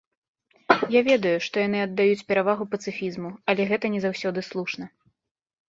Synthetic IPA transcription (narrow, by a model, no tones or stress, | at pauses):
javʲɛd̪ɐjuʂt̪ɔjan̪ɨɐd̪ːajut͡sʲpʲɛɾavaɣupɐt̪sɨfʲizmuɐlʲɛɣɛt̪ɐnʲɛzawsʲɔd̪ɨslˠuʂnɐ